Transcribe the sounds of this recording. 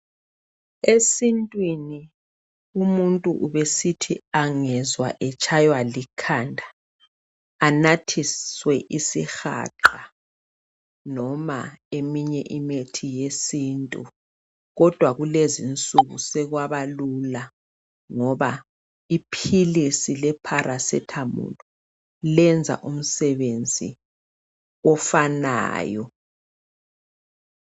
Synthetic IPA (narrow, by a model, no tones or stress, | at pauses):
esintʼwini | umuntʼuʔuβesitʰiaŋɛzwa̰ʔɛt͡ʃʰʼajwalikʰandʱa | natʰiswɛʔisixa̰ǁa | nɔma̰emiɲɛʔimetʰijesintʼṵ | ɣɔd̥ʱwaɣulezint͡sʼuɣusɛɣwaβalula | ŋɔβa | ipʰilisilɛpʰaɾʔasɛ̰tʰamṵlɔ | lɛnd͡zʱa̰ʔum̩sɛβend͡zʱḭ | ɔfana̰ːjɔ